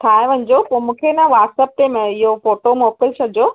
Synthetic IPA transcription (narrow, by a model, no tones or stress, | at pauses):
t̪ʰaːeʋɐɲd͡ʑopoːmũːkʰenaʋaːʈsəp̚ʈemẽɪɦofoːʈomoːkəlsʰɐd͡ʑoː